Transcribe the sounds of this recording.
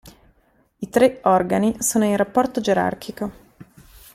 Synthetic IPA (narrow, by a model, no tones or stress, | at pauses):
it̪ɾeɔrɡanisoːnoinrapːɔrt̪od͡ʒeɾa̰rkʰiko